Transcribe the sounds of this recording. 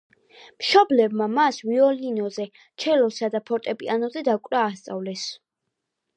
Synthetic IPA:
mʃɔblɛbmamasviɔlinɔzɛ | t͡ʃʰɛlɔsad̪apʰɔɾt̪ʼɛpʼianɔzɛd̪akʼɾaːst̪sʼa̰vlɛs

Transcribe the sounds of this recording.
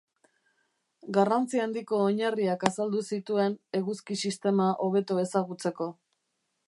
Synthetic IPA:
ɡarant͡siand̪iko̞ːɲariakasald̪usit̪ue̞ne̞ɣuskisist̪e̞maʔo̞β̞e̞t̪oe̞saɣut͡se̞ko̞

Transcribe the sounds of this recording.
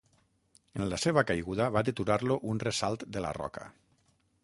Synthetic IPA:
ənlaseβ̞akajɣuðaβad̪et̪uɾaɾloʔunresalˠt̪d̪əla̰rɔ̰kə̰

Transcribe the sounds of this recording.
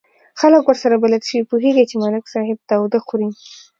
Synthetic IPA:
xaləkwəɾsaɾabalalʃəwipuɦeɡat͡ʃemalɪksɑhɪb̚t̪awd̪axuɾi

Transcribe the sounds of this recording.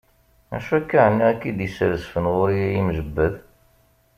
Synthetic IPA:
mæ̰ʃækːaʕənːæækːid̪jəsɾəsfənʁʊɾijæjimʒəbːəð

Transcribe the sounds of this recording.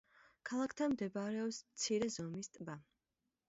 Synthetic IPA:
kʰalˠakʰt̪ʰanmd̪ɛbaɾɛɔpsmt̪sʰiɾɛzɔmist̪ʼba

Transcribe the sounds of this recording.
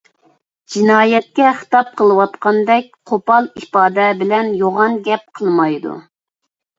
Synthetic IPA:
d͡ʒinɑːjɛt̪̚kʲɛχə̥t̪ɑp̚qʰəlˠɨwɑt̪qɑnd̪ɛk̚ʲqʰopɑlˠipɑːd̪ɛbɪlɛnjoʁɑnɡʲɛp̚qʰəlˠmɑjd̪ṵ

